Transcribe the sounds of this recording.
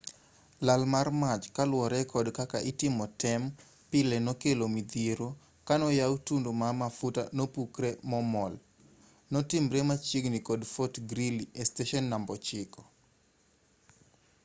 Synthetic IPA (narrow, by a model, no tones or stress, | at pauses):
lalmarmat͡ʃkalwɔɾɛkɔdkakaʔɪtɪmɔtɛm | pɪlɛnɔkelomid̪jeɾo | kanɔjawutundomamafuta̰nopukɾɛmɔmɔl | nɔtɪmɾemat͡ʃiɡnikɔdfotɡɾiliesteʃɔnːambɔt͡ʃɪkɔ̥